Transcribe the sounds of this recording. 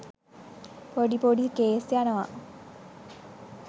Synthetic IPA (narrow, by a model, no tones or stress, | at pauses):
poɖipoɖikeːsjanəʋa̰